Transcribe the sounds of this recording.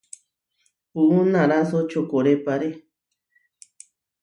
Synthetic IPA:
uunãɾasot͡ʃokoɾepaɾe

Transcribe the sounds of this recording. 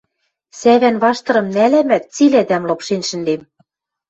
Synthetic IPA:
sæβænβɑʃt̪ɤ̆ɾɤ̆mnælæmæt̪̚t͡silæd̪æmlɤ̆pʃenʃɘ̆nlem

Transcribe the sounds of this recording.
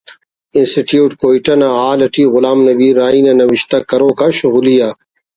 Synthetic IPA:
insiʈjuːʈkoːiʈɐnaaːlɐʈiːɣʊlaːmnɐbiːɾːaːinɐnɐwiɕt̪ɐkɐɾoːkaɕuɣulija

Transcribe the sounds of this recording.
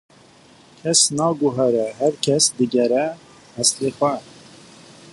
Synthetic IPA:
kʰɛsnɑːɡʊɦɛɾɛɦæɾkʰɛsd̪ɨɡɛɾɛ | hɛsleːxʷɛ

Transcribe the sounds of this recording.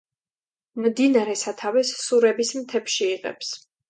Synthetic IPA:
md̪inaɾɛsat̪ʰavɛsːuɾɛbismt̪ʰɛpʃiːʁɛ̰ps

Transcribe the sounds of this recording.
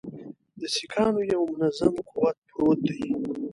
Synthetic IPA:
d̪əsikʰɑːnojawmʊnazamquwat̪̚pɾot̪̚d̪aj

